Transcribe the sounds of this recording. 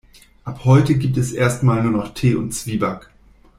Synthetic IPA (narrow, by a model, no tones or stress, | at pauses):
ʔaphɔʏtəɡiːp̚tɛsʔeːɐstmaːlnuːɐnɔχtʰeːʊntt͡sv̥iːbak